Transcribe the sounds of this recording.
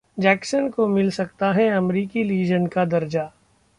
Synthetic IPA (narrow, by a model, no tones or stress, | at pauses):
d͡ʒɛːksənkomɪlsɐk̚t̪aɦɛɐmɾiːkiliːd͡ʒənkad̪ɐɾd͡ʒa